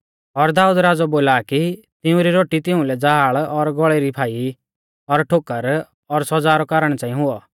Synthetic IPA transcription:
ɔɾd̪aːuːd̪ɾaːd͡zɔboːlaːki | t̪ɪũɾiɾoːʈit̪ɪ̃ʊ̃lɛd͡zaɦaːɭɔɾɡɔɭeɾipʰaːi | ɔɾʈʰoːkəɾ | ɔɾsɔd͡zaːɾɔkaɾəɽ̃ɛt͡ʃãːĩɦʊɔ

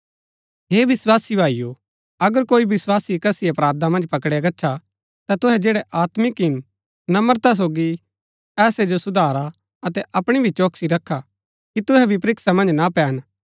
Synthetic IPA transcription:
ɦeːʋɪswaːsibʱaːiju | ɐɡəɾkoːibɪswaːsikɐsiɐpɾaːd̪amɐ̃nd͡ʒpɐkɽjaɡɐːʃʰa | t̪at̪ʊɦɛd͡ʒeːɽɛʔaːt̪mɪkɪn | nɐməɾt̪as̬oːɡi | ɛːsed͡ʒosʊd̪ʱaːɾa | ɐt̪ɛʔɐpɽ̃ibʱit͡ʃoːksiɾɐkʰːa | kit̪ʊɦɛbʱipɾɪksamɐ̃nd͡ʒnapɛːn

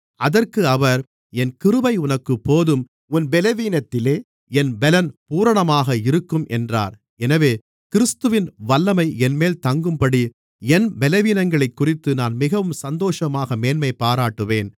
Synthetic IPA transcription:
ɐðɐrkɯɐʋɐɾ | ɛnkɪɾɯʋɐɪʊnɐkːɯpːoːðɯm | ʊnbɛlɐʋiːnɐt̪ːɪleː | ɛnbɛlɐnpuːɾɐɳɐmaːɣɐɪɾɯkːɯmʔɛndra̰ːɾ | ɛnɐʋeː | kɪɾɯst̪ɯʋɪnʋɐlːɐmɐɪɛnmeːlt̪ɐŋɡɯmpɐɽi | ɛnbɛlɐʋiːnɐŋɡɐɭɐɪkːʊrɪt̪ːɯnaːnmɪɣɐʋɯmsɐnd̪oːʂɐmaːɣɐmeːnmɐɪpːaːɾaːʈːɯʋeːn

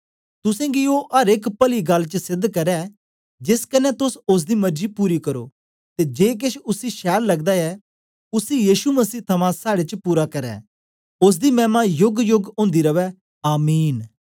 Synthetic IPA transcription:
t̪ʊsɛ̃ɡioɦɐɾeːkpɐliɡɐlːt͡ʃəsɪd̪ʱkɐɾɛ | d͡ʒɪskɐnɛt̪ʊsʊs̬d̪imɐɾd͡ʒipuːɾikɐɾo̰ː | t̪ed͡ʒeːk̬ɪʃʊsiʃɛːllɐɡd̪aɛ | ʊsijiːʃumɐsiːt̪ʰɐmãsaːɽet͡ʃpuːɾakɐɾɛ̰ː | ʊs̬d̪imɛ̃ːmajʊɡjʊɡõːnd̪iɾɐʋɛ | aːmiːn

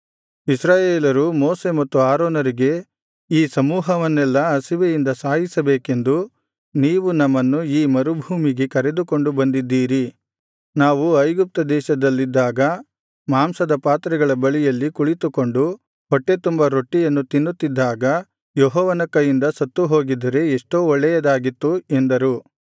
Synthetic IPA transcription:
isɾaːjeːlɐɾumoːse̞mɐt̪ːuaːɾɔːnɐɾiɡe̞ | iːsɐmuːɦɐʋɐnːɛlːɐɐsiʋejind̪ɐsaːɦisɐbeːke̞nd̪u | niːʋunɐmːɐnːuiːmɐɾubʱuːmiɡekɐɾe̞d̪uko̞ɳɖubɐnd̪id̪ːiːɾi | naːʋuɐjɡup̚t̪ɐd̪ɛːʃɐd̪ɐlːid̪ːaːɡɐ | maːmsɐd̪ɐpaːt̪ɾɐɡɐɭɐbɐɭijɐlːikuɭit̪uko̞ɳɖu | hɔʈːe̞t̪umbɐɾoʈːijɐnːut̪inːut̪ːid̪ːaːɡɐ | jɔɦɔːʋɐnɐkːɐjind̪ɐsɐt̪ːuɦo̞ːɡid̪ɐɾe̞ːʂʈoːɔɭːɛjɐd̪aːɡit̪ːue̞nd̪ɐɾu

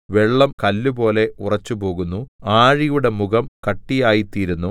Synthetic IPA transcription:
ʋe̞ɭːɐmkɐlːubo̞ːle̞urɐt͡ɕːupo̞ːɣunːuaːɻijuɽe̞muɣɐmkɐʈːijaːjit̪iːɾunːu

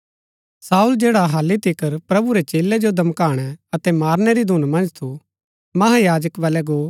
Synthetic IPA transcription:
saːuld͡ʒeːɽaɦaːlːit̪ʰikəɾpɾɐbuɾet͡ʃeːlɛd͡ʒod̪ʱɐmkaːɽ̃ɛɐt̪ɛmaːɾnɛɾid̪ʱuːnmɐ̃nd͡ʒt̪ʰu | mɐɦajaːd͡ʒəkʋaːlɛɡoː

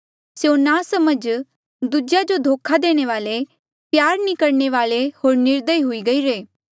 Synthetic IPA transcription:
sjonãsɐməd͡ʒ | d̪ʊd͡ʒjad͡ʒod̪ʱoːkʰad̪eːɽ̃eʋaːle | pjaːɾnikɐɾɳ̃eʋaːlehoːɾnɪɾd̪əiɦʊiɡɐiɾeː

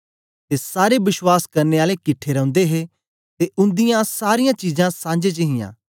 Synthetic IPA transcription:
t̪esaːɾebɪʃwaːskɐɾneaːlekɪʈʰːeɾɐ̃ʊ̃nd̪eɦe | t̪eʔʊ̃nd̪ɪjãsaːɾɪjãt͡ʃiːzãsãːnd͡ʒet͡ʃəɦɪ̃jã̰ː

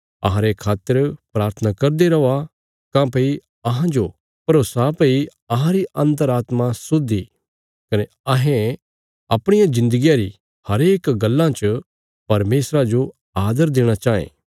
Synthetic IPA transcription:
ɐ̰ɦãɾekʰaːt̪ːəɾpɾaːɾt̪ʰənakɐɾd̪eɾɐa | kãpɐi | ɐɦãd͡ʒo | pɐɾoːsapɐi | ɐɦãɾiɐ̃nt̪̬əɾaːt̪mãsod̪i | kɐne | ɐɦẽ | ɐpɽ̃ɪjãzɪ̃nd̪əɡijaɾi | hɐɾeːkɡɐlːãt͡ʃ | pɐɾmeːsɾad͡ʒo | aːd̪əɾd̪eːɽ̃at͡ʃaːḛ̃ː

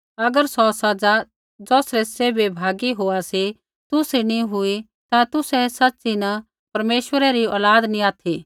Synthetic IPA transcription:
ɐɡəɾsɔsɐd͡za | d͡zɔːsɾɛseːbebʱaːɡiɦoasi | t̪ʊsiniɦʊi | t̪at̪ʊsɛsɐtːsinɐ | pɐɾmeːʃwəɾɛɾiɔ̰ːlaːd̪nĩaːt̪ʰi

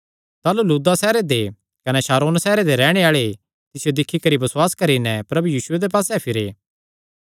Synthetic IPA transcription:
t̪aːluluːd̪asɛːɾed̪e | kɐnɛʃaːɾoːnsɛːɾed̪eɾɛːɽ̃eaːɭe | t̪ɪsijod̪ɪkʰːikɐɾibɐsʊwaːskɐɾinɛpɾɐbujiːsʊed̪ep̬aːsɛpʰɪɾeː

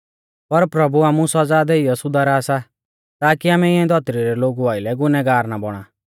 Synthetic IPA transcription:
pɐɾpɾɐbuaːmũsɔd͡zaːd̪eɪjɔsʊd̪aɾaːsa | t̪aːkiaːmɛɪãĩd̪ʱɔt̪ɾiɾɛloːɡuaːɪlɛɡʊnɛɡaːɾnabɔɽ̃aː

